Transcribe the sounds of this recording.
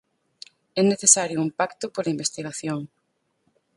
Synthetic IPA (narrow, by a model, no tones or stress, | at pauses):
ɛneθesaɾjʊumpakt̪ʊpolɐimbest̪iɣaθjoŋ